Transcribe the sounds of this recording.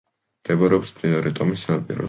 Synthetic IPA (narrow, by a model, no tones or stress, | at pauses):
md̪̥ɛbɾɛɔpsmd̪inɔɾɛt̪ʼɔmisanapʼḭɾɔ̰